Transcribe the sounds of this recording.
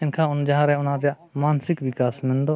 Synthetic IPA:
ɪnkʰãːʊnd͡ʒaɦãːɾɛʊnãːd͡ʒa | maːnsɪkʋɪkaːsmɪ̃nd̪oː

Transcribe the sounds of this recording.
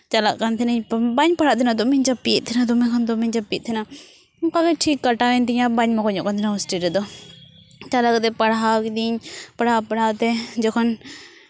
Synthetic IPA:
t͡ʃalaʔkant̪ʰɛnəɲbaɲpaɽ̤aʔt̪ʰɛnad̪ɔmɛɲd͡ʒapːiɛ̰t̪̚t̪ʰɛnad̪ɔmɛkʰand̪ɔmɛɲd͡ʒapit̪̚ˀt̪ʰɛna | mkakɛʈʰikːaʈawɛnt̪iɲabaɲmakɔɲɔ̰ʔkant̪ʰɛnaɔsʈiɾɛd̪ɔ | t͡ʃalak̚t̪ɛpɐɽɦawkd̪iɲpɐɽapɐɽ̤awt̪ɛd͡ʒɔkʰɔn

